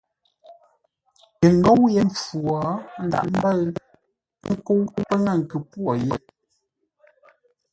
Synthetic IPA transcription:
ə˨ŋ˦ɡo˦wjɛ˦mp͡fwɔ˨˦n̩˦da̰˨ʔm̩˦bə˦l | ŋ̩˦ko˦wu˦pə˦ŋa˦˨ŋ̩˨kʉ˨pwɔ˨jɛ˦˨

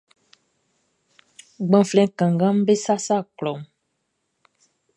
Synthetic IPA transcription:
ɡ͡bã˨flɛ̃˨˦kã˨ŋɡã˦m˦be˦sa˦sa˦˨klɔ˨m

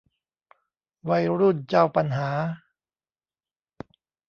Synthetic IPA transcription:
wa˧jɾuː˥˩nt͡ɕa˥˩wpa˧nɦaː˩˦

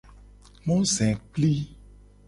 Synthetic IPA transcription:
mɔ̃˦sɛ̃˨k͡pli˦

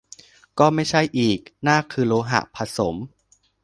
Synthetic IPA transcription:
kɔː˥˩ma˥˩jt͡ɕʰa˥˩jʔiː˨˩k̚naː˥˩kʰɯː˧loː˧ɦa̰˨˩ʔpʰa˧so˩˦m

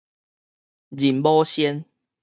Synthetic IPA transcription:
d͡ʑi˨˩nbɔ˦ɕɛ˦n

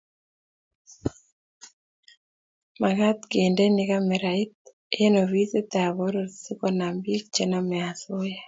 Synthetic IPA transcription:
ma˨ɣa˦t̪ke˨nde˦nika˦mɛ˨ɾa˨i˦t̪̚ | ee˦no˨βi˦se˦t̪a˨βo˦ɾo˨tsi˦kɔna˨mbi˦k̚t͡ʃe˦namɛ˨a˨so˦ja˦

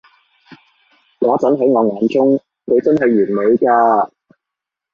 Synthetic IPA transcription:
ŋɔː˨˥t͡sɐ˨˥nɦɐ˨˥jŋɔː˨˧ŋaː˨˧nt͡sʊ˥ŋ | kʰɵ˨˧t͡sɐ˥nɦɐ˨jɥyː˨˩nme˨˧ɥkaː˧

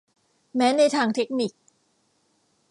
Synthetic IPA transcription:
mɛː˦˥na˧jt̪ʰaː˧ŋt̪ʰe˦˥k̚ni˨˩k̚

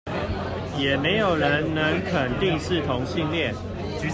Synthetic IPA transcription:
jɛ˨˩me˧˥ɪjo˨˩ʊɻə˧˦˥nnə˧˥ŋkʰə˨˩nt̪i˥˧ŋʂ̩˥˩t̪ʰʊ˧˦ŋɕi˥˧ŋljɛ˥˩n˧˥

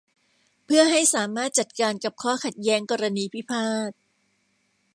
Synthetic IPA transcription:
pʰɯ˥˩ɐɦa˥˩jsaː˩˦maː˥˩t̪̚t͡ɕa˨˩t̪̚kaː˧nka˨˩p̚kʰɔː˥˩kʰa˨˩t̪̚jɛː˦˥ŋkɔː˧ɾa˧niː˧pʰi˦˥pʰaː˥˩t̪̚

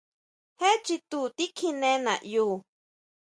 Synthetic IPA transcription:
he˦t͡ʃi˧t̪u˧t̪i˦kʰi˦nẽ˦na̰˨ʔjuː˦

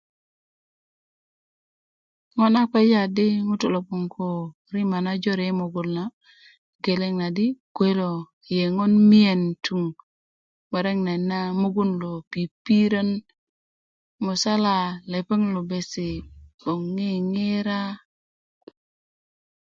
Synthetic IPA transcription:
ŋo˦na˦ke˦d͡ʒa˨di˦ŋu˦to˨lo˨pu˨ŋkʰo˨ | ɾi˦ma˨na˦d͡ʒo˦ɾe˦mu˨ɡu˨lna˨ | ɡe˨le˦ŋna˨di˦kwe˦lo˨ | je˨ŋo˦nmi˦e˨ntu˦˨ŋ | me˨ɾe˦ŋna˨nːa˦mu˦ɡu˦nlo˨pi˨pi˦ɾa˦n | mu˨sa˦la˨le˨pe˦ŋlu˨be˨si˨bo˨ŋːi˦ŋe˦ɾa˦

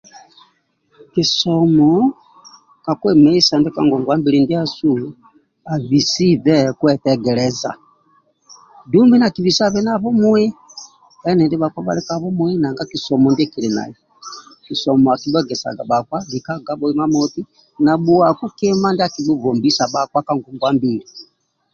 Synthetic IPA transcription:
kisɔmɔ | ka˨kwɛmɛ˦i˦sa˨ndɛ˦ka̰˦ŋɡɔ˨ŋɡwa˦mbi˦ɾindi˦a˦su | a˨βi˨si˦ðɛkwɛtɛɡɛɾɛza̰˨ | du˦mbi˦na˨ki˨βi˨sa˦βɛ˦na˦βɔ˦mwɛ˦ | ɛ˦nɛ˨ndɛ˦βa˨kwa˦ba̰˨lɛ˦kaβɔ˦mwɛ˦na˨ŋɡa˦ki˨sɔ˨mɔ˨ndɛ˦ki˨lɛ˨na̰˨ji˨ | ki˨sɔmɔ˨aki˨bɛ˦ɡɛ˨sa̰˨ɡa̰˨ɓa˨kwa˦βi˨ka˦ɡa˦bɔ˨i˦ma˦mɔti˦ | na˨ɓu˨a˨ku˦kɛ˦ma˦ndi˦a˦ki˨ɓu˦vɔ˨mbi˦sa˨ɓa˨kwa˦ka˨ŋɡɔ˨ŋɡwa˦mbiɾi

